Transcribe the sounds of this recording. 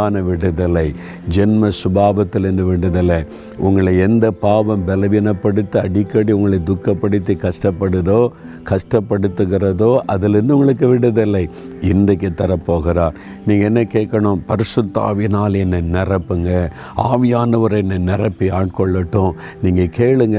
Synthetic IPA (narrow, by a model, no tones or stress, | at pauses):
aːnɐʋɪɽɯðɪlːɐɪ | d͡ʒɛnmɐsʊbaːʋɐt̪ːɯlɛnd̪ɯʋɪɳɖɯðɐlːɐ | ʔʊŋɡɐɭɐɛnd̪ɐpaːʋɐ̃mbɛlɐʋɪnɐpːɐɽɯt̪ːɯɐɽɪkːɐɽiʊŋɡɐɭɐɪd̪ʊkːɐpːɐɽɯt̪ːikɐʂʈɐpːɐɽɯðoː | kɐʂʈɐpːɐɽɯt̪ːɯɣɪrɐðoːʔɐðɪlɛɾɯnd̪ɯʊŋɡɐɭɯk̬ːɯʋɪɽɐðɪlːɐɪ | ɪnd̪ɐkːɯt̪ːɐɾɐpːoːɣɪɾaːɾ | niːŋɡɐɛnːɐkeːʈkːɐɳʊ̃pɐɾɪsʊt̪ːa̰ːʋɪnaːlɛnːɐnɪrɐpːɯŋɡɐ | aːʋɪjaːnɐʋɐɾɛnːɐnɪɾɐpːiaːʈ̚kɔɭːɐʈːʊ̃ | niːŋɡɐkeːɭɯŋɡɐ